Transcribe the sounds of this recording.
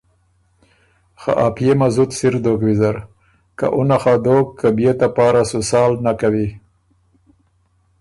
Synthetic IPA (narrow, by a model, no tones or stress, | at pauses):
xa̰ʔapjemazut̪siɾd̪okwizaɾ | ka̰ʔunaxad̪okkːabjet̪apɑːɾasusɑːlnakawi